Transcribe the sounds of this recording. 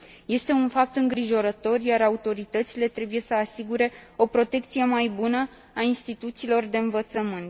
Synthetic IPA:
je̞st̪e̞unfap̚t̪ɨŋɡɾiʒo̞ɾət̪o̞rjaɾaut̪o̞ɾit̪ət̪sile̞t̪ɾe̞buje̞səasiɡuɾe̞o̞pɾo̞t̪e̞kt̪sije̞majbunə | ainst̪it̪ut̪silo̞rd̪e̞ɨnvət̪səmɨnt̪

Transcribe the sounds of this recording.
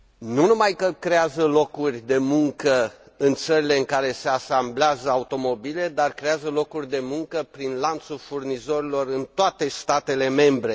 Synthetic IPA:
nunumajkəkɾe̞azəlo̞kurʲd̪e̞muŋkə | ɨnt̪səɾile̞ɨŋkaɾe̞se̞asambleazəaut̪o̞mo̞bile̞d̪arkɾe̞azəlo̞kurʲd̪e̞muŋkəpɾinlant̪sulfurnizo̞ɾilo̞rɨnt̪oat̪e̞st̪at̪e̞le̞me̞mbɾe̞

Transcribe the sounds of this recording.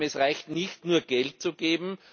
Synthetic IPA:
ɛsʁaɪçtnɪçtnuːɐɡ̥ɛlt̚t͡suɡ̥eːbm̩

